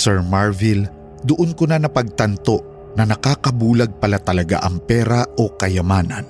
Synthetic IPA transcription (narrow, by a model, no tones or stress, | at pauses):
sɛɹmaɹvɪl | d̪ʊʔonkʊnanɐpɐɡ̚t̪ɐnt̪o̞ʔ | nɐnɐkaːkɐbuːlɐɡ̚pɐlat̪ɐlɐɡa̰ʔɐŋpɛːɾaʔokɐjɐmaːnɐn